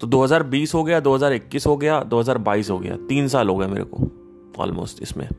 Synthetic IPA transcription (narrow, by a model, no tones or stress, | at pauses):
t̪od̪oːɦɐzaːɾbiːsɦoɡɐjad̪oːɦɐzaːɾɪkːisɦoɡɐjad̪oːɦɐzaːɾbaːiːsɦoɡɐ̰ja̰t̪iːns̬aːlɦoːɡɐjamḛːɾḛko̰ | ɔ̰ːlmo̰ːstɪ̰smḛ̃